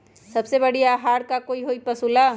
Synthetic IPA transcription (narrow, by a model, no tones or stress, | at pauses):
sɐbsebɐɽiaːɦaːɽkakoːiɦoːipɐsula